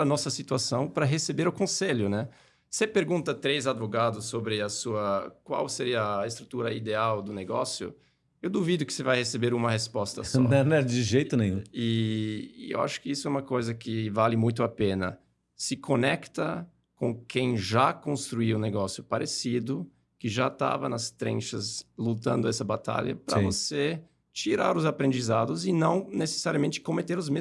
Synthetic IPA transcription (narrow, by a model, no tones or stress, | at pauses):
ɾɐnɔsɐsit̪uasɐ̃w̃pɾɐɦesebeɾʊkõseʎʊnɛ | sepeɾɡũnt̪ɐt̪ɾezad̪voɡad̪ʊsːobɾɪɐsuɐkwa̰wseɾiɐest̪ɾut̪uɾɐid̪eawd̪ʊneɡɔsjʊ̰ | ewd̪uvid̪ʊkɪ̥sevajhesebeɾũmɐhespɔst̪ɐsɔnɛ̃nɛd͡ʒɪʒejt̪ʊnẽj̃ũɪː | ḛwa̰ʃʊ̥kɪisʊɛũmɐkojzɐkɪvalɪmũj̃t̪̬ʊapẽnɐ̰ | sɪkʰonɛkt̪ɐ | kõkʰẽj̃ʒakõst̪ɾuiʊ̃neɡɔsjʊpaɾʔesid̪ʊ | kɪʒat̪a̰vɐnɐst̪ɾḛ̃ʃɐzlut̪ɐ̃nd̪ʊɛsɐbat̪a̰ʎɐ̰pɾɐ̃vose | t͡ʃiɾa̰ɾʊzapɾẽnd͡ʒizad̪ʊzɪnɐ̃w̃nese̥saɾiɐmẽnt͡ʃɪ̥komet̪eɾʊzme